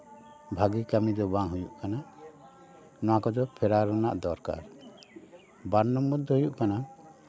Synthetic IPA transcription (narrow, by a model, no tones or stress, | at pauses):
bʱaɡikamid̪ɔbaŋɦujuʔkana | nɔwakɔd͡ʒɔpʰɛɾaɾɔna̰ʔd̪ɔɾka̰ɾ | banːɔmːɔd̪ɔhujuʔkana